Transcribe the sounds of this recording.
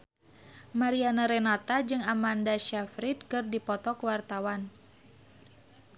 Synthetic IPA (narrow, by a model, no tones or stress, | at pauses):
maɾianaɾɛnat̪ad͡ʒɨŋamandaʃafɾit̪̚kɨrdipɔt̪ɔkəwart̪awan